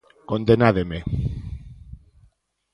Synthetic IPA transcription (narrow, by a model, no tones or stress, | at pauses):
kond̪enaðeme